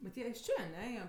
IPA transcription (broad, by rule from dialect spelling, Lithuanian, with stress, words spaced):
bʲɛt ˈjiɛ ɪʃ ˈt͡ʃʲeː ɐˈnʲɛ ˈjiɛ